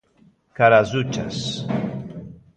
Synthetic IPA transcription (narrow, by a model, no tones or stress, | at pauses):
kaɾazut͡ʃa̰s